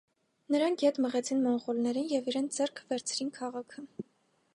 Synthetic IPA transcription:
nəɾɑŋkʰjɛt̪məʁɛt͡sʰinmɔnʁɔlnɛɾinjɛviɾɛnt͡sʰd͡zɛɾkʰvɛɾt͡sʰɾinkʰɑʁɑkʰə

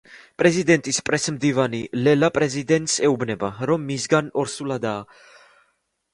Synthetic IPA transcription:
pʼɾɛzid̪ɛnt̪ʼispʼɾɛsmd̪ivanilɛlapʼɾɛzid̪ɛnt̪ʼsɛubnɛbaɾɔmːisɡanɔɾsulad̪aː

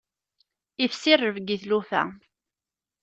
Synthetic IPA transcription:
ifsɪrːəvɡiθlufæ̰

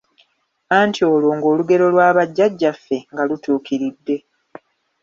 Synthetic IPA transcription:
aːntʰio̞ːloːŋɡo̞ːluɡe̞ɾo̞lwaːβaɟːaɟːafːe̞ŋɡalutuːkiɾidːe̞

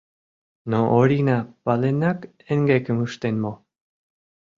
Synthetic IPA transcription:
noʔoɾinapalenak | eŋɡekəmuʃt̪enmo

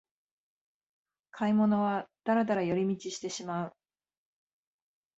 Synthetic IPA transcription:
kʰaimo̞no̞β̞ad̪̥aɾad̪aɾajo̞ɾʲimʲit͡ɕiɕi̥t̪e̞ɕimaɯ̟

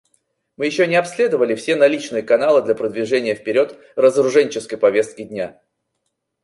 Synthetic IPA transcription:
mɨjɪɕːonʲɪɐpsʲlʲe̞d̪əvəlʲɪfsʲe̞nɐlʲit͡ɕnɨjəkɐnalˠɨd̪lʲɐpɾəd̪vʲɪʐɛnʲɪjəfpʲɪɾʲo̞t̪ | rəzəɾʊʐɛnʲt͡ɕɪskəjpɐvʲe̞st̪̚kʲɪdʲnʲa

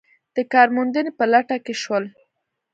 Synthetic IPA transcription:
d̪̥əkɑɾmund̪ənepəlaʈakeʃwəl

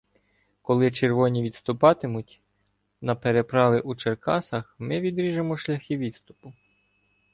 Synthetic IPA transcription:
kɔlˠɪt͡ʃerʋɔnʲiʋʲid̪st̪ʊpɑt̪emʊtʲ | nɐpeɾe̞pɾɑʋʲɪʔut͡ʃerkɑsɐxmɪʋʲid̪ɾʲiʒemɔʃlʲɐxɪʋʲid̪st̪ʊ̥pʊ

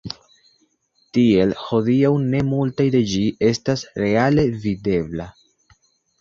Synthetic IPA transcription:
tie̞lho̞diawne̞multajde̞d͡ʒiʔe̞stasɾe̞ale̞vide̞bla

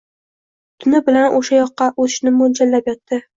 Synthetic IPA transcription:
t̪ʰʊnɪbɪlanʔoʃajɒqːɑʔozɪ̥ʃnɪmond͡ʒalːapjɒt̪ʰːɪ

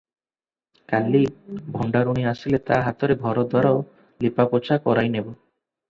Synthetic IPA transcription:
kalibʱɔɳɖaɾuɽ̃iasilet̪aɦat̪ɔɾebʱɔɾɔd̪ʱwaɾao | lipapot͡ʃʰakɔɾajnebɔ

